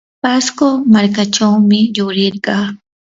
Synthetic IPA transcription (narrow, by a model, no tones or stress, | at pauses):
paskomaɾkaʈ͡ʂawmɪjʊɾɪɾɢɑː